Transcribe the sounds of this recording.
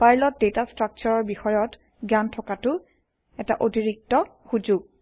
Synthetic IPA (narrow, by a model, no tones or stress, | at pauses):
pajlɔt̚detastɹak̚t͡ʃɔɹɔɹbixɔjɔt | ɡantʰɔkatʊ | ɛta̰ʔotiɹik̚tɔxud͡ʒuɡ̚